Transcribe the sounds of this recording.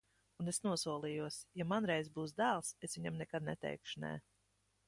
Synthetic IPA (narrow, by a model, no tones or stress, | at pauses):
unesnuɔsuɔlˠijuɔsjamanɾɛjzbuːs̬d̪æːlˠsesvʲiɲamnɛkad̪̚nɛ̰t̪ɛ̰jkʃu̥nɛ̰ː